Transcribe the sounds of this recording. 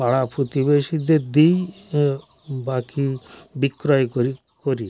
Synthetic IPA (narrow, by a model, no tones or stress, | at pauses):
aɽapʰut̪ibeʃid̪eɾd̪ij | bakibikːɾɔjkoɾi | koɾi